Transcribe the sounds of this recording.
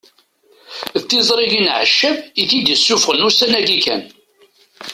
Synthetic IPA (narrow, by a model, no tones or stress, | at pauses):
ðt̪ːizˤɾˤiʝinʕə̰ʃːəviθid̪əsːufʁənusænæɡikæ̰n